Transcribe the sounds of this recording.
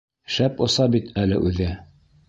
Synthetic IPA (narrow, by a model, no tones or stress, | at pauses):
ʃæpŏsɑbit̪ʰælɘ̰ʔʉðɘ